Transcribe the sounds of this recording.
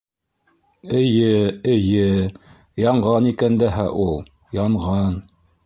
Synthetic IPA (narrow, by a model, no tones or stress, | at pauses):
ɘ̆jɘɘ̆jɘ | jɑɴʁɑnikænd̪æɦæʔulˠ | jɑɴʁɑn